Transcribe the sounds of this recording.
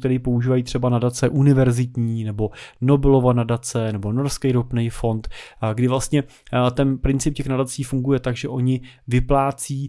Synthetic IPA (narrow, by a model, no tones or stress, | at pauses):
t̪ɛɾiːpo̞uʒiːvajiːt̪r̝̥ɛbanadat͡sɛʔunɪvɛɾzɪt̪ɲiːnɛbo̞nobɪlovanadat͡sɛnɛbo̞no̞ɾskɛjɾopnejfo̞nt̪ɡdɪvlast̪ɲɛ | t̪ɛnpɾɪnt͡sɪp̚cɛxnadat͡siːfuŋɡujɛt̪aɡʒɛʔo̞ɲɪvɪplaːt͡siː